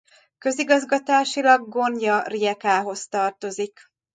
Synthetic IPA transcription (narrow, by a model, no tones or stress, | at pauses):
kø̞ziɡɒzɡɒt̪aːʃilɒɡːo̞njɒriɛkaːɦo̞st̪ɒrt̪o̞zik